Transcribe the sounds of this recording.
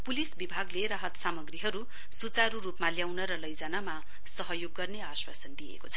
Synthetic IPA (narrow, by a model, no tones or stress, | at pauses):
pulisbibʱaɡleɾaɦʌt̪samʌɡriɦʌɾu | sut͡saɾuɾupmaljawnʌɾʌlʌjd͡zanama | sʌɦʌjoɡːʌrneaswa̰sʌnd̪ijḛkot͡sʰʌ̥